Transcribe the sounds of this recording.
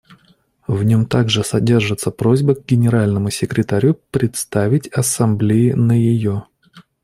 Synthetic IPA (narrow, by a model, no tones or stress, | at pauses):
vnʲo̞mt̪aɡʐɨsɐdʲe̞rʐɨt̪səpɾozʲbəɡ̚ɡʲɪnʲɪɾalʲnəmʊsʲɪkɾʲɪt̪ɐɾʲupɾʲɪt̪st̪avʲɪtʲɐsɐmblʲejɪnəjɪjo